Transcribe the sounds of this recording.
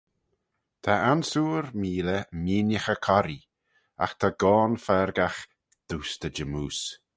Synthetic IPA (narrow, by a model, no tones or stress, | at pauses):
t̪ʰaʔansuːɾmiːləmiːnjəxəkʰɔɾi | a̰xt̪ʰaɡɔːnfɛɾɡax | d̪̥uːst̪ʰəd͡ʒəmuːs